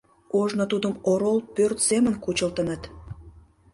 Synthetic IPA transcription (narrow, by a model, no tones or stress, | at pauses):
oʒnot̪ud̪əmoɾolpørt̪semənkut͡ɕəlt̪ə̆nət̪